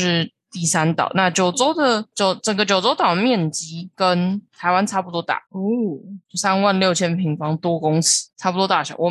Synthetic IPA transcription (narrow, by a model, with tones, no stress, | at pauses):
ʂɻ̩˥˩ | t̪i˥˩sa˥nt̪ɑ̰˨˩˦ʊna˥˨t͡ɕjo˨˩ʊt͡so˥ʊd̪ə˨t͡ɕjo˨˧˦ʊʈ͡ʂə˨˩ŋɡə˦t͡ɕjo˨˩ʊt͡so˥ʊt̪ɑ˨˩ʊə˧mjɛ˥˨nt͡ɕi˧˥kə˦nt̪ʰa˧˥ɪwa˦nt͡sʰa˥pu˨t̪wɔ˥t̪a̰˥˩o˥t͡ɕo˥˩sa˥nwa˥˨˧nljo˥˩ʊt͡ɕʰjɛ˥npʰi˧˥ŋfɑ˥ŋt̪wɔ˥kʊ˥ŋsi̥˨˦t͡sʰa˥pu˨˩t̪wɔ˥t̪a˥˩ʂa̰˧˥˦wɔ˨˩